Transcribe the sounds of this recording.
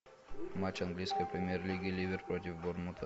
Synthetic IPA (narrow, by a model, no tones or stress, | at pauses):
mat͡ɕɐnɡlʲijskəjpɾʲɪmʲɪjerlʲiɡʲɪlʲibʲɪrpɾot̪̬ʲɪfbormut̪ʰə